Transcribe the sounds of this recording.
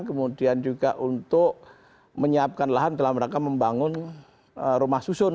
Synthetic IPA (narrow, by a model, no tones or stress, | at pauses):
nkəmudiand͡ʒuɡaʔunt̪ʊk̚ | məɲəap̚kanlaɦand̪əlahməɾakaməmbaŋʊn | ərumahsusʊn